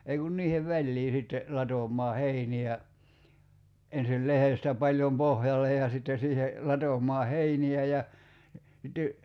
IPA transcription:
ei kun niːheʋ ʋælʲliː sitːe lɑtomˑɑː heiniæ ensil lehestæ pɑlʲjom pohjɑlˑej jɑ sitːe siːhe lɑtomˑɑː heiniæ jɑ sitːe

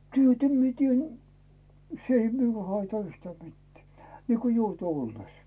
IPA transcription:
tyøtæ mie tien s ei miul hɑitɑ yhtæː mitːĕæˑ niːko joute olːes

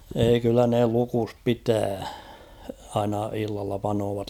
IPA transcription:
eːi kylːæ ne lukus pitæː ɑinɑ ilːɑlːɑ pɑnoːʋɑt

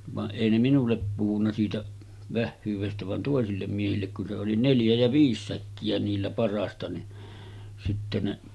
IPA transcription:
ʋɑʔ ʔeˑi ne minulːep puhunːɑ siːtæ ʋæhːyːʋestæ ʋɑn toˑesilːem miehilːek kun se oli neljæ jæ ʋiːs sækːiæ niːlːæ pɑrˑɑːstɑ ni sitːe ne

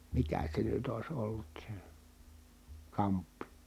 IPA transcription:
mikæ se nyt ois olːut se kɑmpːi

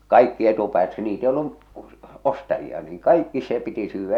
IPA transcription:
kɑikːi etupæːt niːt ei olːu ostɑjiɑ niːŋ kɑikːi se piti syːʋːæ

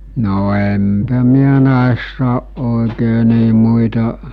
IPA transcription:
no empæ miæ næˑesːæ oʔ ʔoˑekeː niː muitɑ

